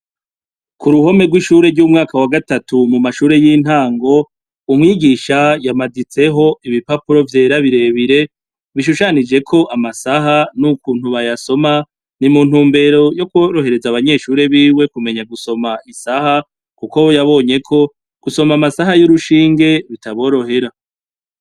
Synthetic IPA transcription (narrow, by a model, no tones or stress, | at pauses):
kuɾuho̞me̞ɾɡwiʃuɾe̞ɾɟuːmŋaːkawaɡatatumumaʃuːɾe̞jiːn̥haːŋɡo̞ | umŋiːɡiʃajamadit͡se̞ɦo̞iβipapuɾo̞vje̞ːɾaβiɾe̞ːβiɾe̞ | βiʃ̬uʃanid͡ʒe̞kʰo̞ʔamasaɦanukuːn̥huβajaso̞ma | nimuːn̥uːmbe̞ɾo̞jo̞kuoɾo̞ɦe̞ɾe̞zaβaɲe̞ʃuːɾe̞βiːwe̞kume̞ɲaɡuso̞maʔisaha | kukojaβo̞ːɲe̞kʰo̞ | ɡ̥uso̞mamasaɦajuɾuʃiːŋɡe̞βitaβo̞ːɾo̞ɦe̞ɾa